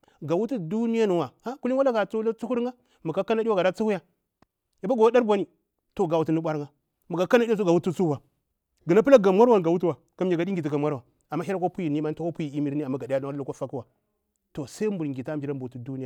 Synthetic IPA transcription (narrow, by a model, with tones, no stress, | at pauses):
ɡa˨wu˦tu˦du˦ni˦ja˦nu˨wa˨a˦ku˦li˦a˦la˦ɡa˨t͡su˦la˦t͡su˦hu˦ɾŋɡa˦ | mu˨ka˦ka˦na˦di˦wa˦ɡa˨da˦t͡su˦hu˦ja˦ | ja˨ba˦ɡo˨wa˦da˦ɾbʷa˨ni˨ | to˨ɡa˨wu˨˦tu˦nu˦ɓʷa˦ɾŋɡa˦ | mu˨ka˨ka˦na˦di˦o˦ɡa˨wu˦tu˦t͡su˦wa˨ | ɡə˨na˦pla˦ɡa˨mʷa˦ɾwa˨n˨ɡa˨wu˦tu˦wa˨ | ka˦m˦˨ɡa˨di˦ɡi˨t̬i˨ɡa˨mʷwa˦ɾwa˨ | a˨mːa˦hi˦ɾa˦ko˦pu˦ji˨ni˦ma˦n˦to˦ko˦pu˦ji˨i˦mi˦ɾi˦a˨mːa˦ɡa˨da˦a˦wa˦lo˦ko˦fa˦ki˦wa˨ | to˨sa˦mbu˨ɾŋɡi˨ta˦mbi˨ɾa˦mbu˨u˨˦tu˦du˦ni˦ja˨